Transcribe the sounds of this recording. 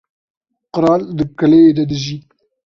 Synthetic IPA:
qʊɾɑld̪əkɐled̪ad̪əzi

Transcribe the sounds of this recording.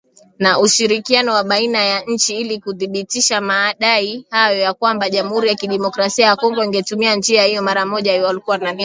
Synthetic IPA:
naʔuʃiɾikianɔwaɓainajaɲ̩t͡ʃiilikuðiɓitiʃamaːɗaihajɔjakwambaʄamuhuɾijakiɗɛmɔkɾasiajakɔŋɡɔiŋɡɛtumiand͡ʒiahijɔmaɾamɔʄawalikuwanani

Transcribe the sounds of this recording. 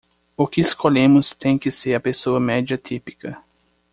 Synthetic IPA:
ʊkɪɪskoʎẽmʊst̪ẽj̃kɪseɾɐpesoɐmɛd͡ʒiɐt̪ʰipi̥kɐ

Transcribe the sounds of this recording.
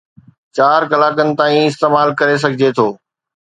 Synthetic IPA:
t͡ɕaːɾkɐlaːkənɪ̆t̪aːĩɪst̪eːmaːlkɐɾes̬ɐɡʱɪd͡ʑet̪ʰoː

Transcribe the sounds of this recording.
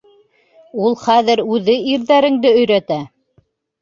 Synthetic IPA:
ulˠχæðɘɾʉðɘiɾðæɾɘ̆ŋd̪ɘɵ̆jɾæt̪æ

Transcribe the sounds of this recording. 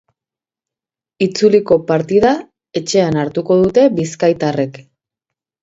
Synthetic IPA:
it͡suliko̞paɾt̪iða | e̞t͡ʃe̞anaɾt̪uko̞ð̞ut̪e̞βiskajt̪are̞k

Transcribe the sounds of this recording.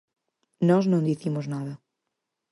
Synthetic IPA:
nɔznɐ̃w̃d̪iθimʊznaðɐ

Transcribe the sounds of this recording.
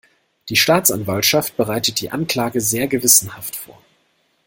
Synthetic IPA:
d̥iːʃtaːt͡sʔanvaltʃaft̚b̥əʁaɪtət̚d̥iːʔankl̥aːɡəzeːɐɡəvɪsn̩haftfo̰ːɐ

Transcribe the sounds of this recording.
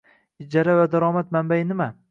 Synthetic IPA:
ɪd͡ʒaɾavad̪aɾɒːmat̪mambajɪnɪma

